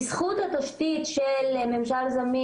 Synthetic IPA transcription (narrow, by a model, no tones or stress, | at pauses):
sχut̪hat̪aʃt̪it̪ʃelme̞mʃalzami